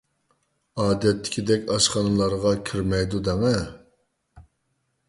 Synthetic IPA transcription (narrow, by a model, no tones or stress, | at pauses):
ɑːd̪ɛt̪ʰːɪ̥kʲʰid̪ɛkʲɑʃχɑnɨlˠɑɾʁɑkʲʰiɾmɛjd̪ud̪ɛŋɛ